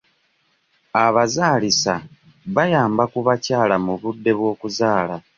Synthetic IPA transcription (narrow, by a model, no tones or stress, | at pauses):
aβazaːlisa | βajaːmbakuβacaːlamuβudːe̞βwo̞ːkuzaːla